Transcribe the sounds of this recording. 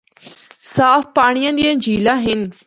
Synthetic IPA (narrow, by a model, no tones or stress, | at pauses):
saːfpaːɽ̃ijãnd̪ijãd͡ʑiːlãɦɪnɪ̆